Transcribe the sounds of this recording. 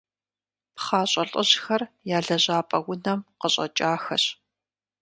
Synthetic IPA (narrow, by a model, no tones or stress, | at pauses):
pχaːɕʼɐɬʼɐʑxɐr | jaːɮɐʑaːpʼɐwʊnɐmqəɕʼɐ̰t͡ʃʼaːxɐ̰ɕ